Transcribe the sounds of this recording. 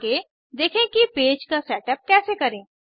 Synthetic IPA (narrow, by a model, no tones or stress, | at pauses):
ke | d̪eːkʰẽkipeːd͡ʒkasɛːʈəp̚kɛːsekɐɾẽː